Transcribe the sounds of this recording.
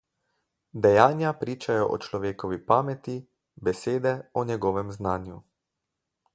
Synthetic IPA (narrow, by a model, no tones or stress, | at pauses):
d̪ɛjaːnjapɾiːt͡ʃajɔʔɔ̰t͡ʃlɔʋeːkɔʋipaːmɛt̪i | bɛseːd̪ɛɔnjɛɡɔːʋɛmznaːnju